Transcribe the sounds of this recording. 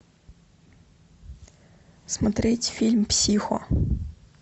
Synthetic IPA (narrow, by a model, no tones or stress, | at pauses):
smɐt̪ɾɪtʲfʲilʲmpsʲixɔ̰